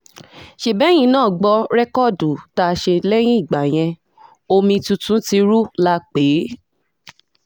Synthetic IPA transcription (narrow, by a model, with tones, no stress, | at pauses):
ʃe˨bɛ˨˦j̃ĩ˧˦nãː˦˨ɡ͡bɔ˧ɾɛ˦kɔ˦˨du˨ta˧˦˧ʃe˧lɛ˦j̃ĩ˦i˦˨ɡ͡ba˨j̃ɛ̃˧ | o˧mĩ˧tu˧tũ˨˦ti˧ɾu˦la˦k͡pe˨˦